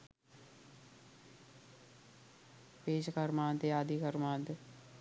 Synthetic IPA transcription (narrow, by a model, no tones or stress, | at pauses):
peːʃkəɾmãːnd̪eaːd̪ikəɾmãːnd̪e